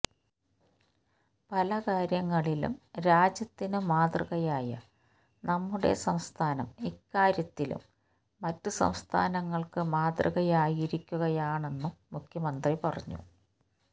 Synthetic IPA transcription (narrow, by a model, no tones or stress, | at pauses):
pɐlɐkaːɾjɐŋːɐɭilṵmɾaːd͡ʑjɐt̪ːinɨmaːt̪rɨɣɐjaːjɐ̰ | nɐmːuɽe̞̰sɐmst̪ʰaːnɐ̰mikːaːɾjɐt̪ːilṵmː | ɐtːɨsɐ̰mst̪ʰa̰ːnɐŋːɐɭkɨmaːt̪rɨ̰ɣɐjaːjiɾikʲːuɣɐjaːɳe̞nːuːukʰjɐmɐnd̪ripɐrɐɲːṵ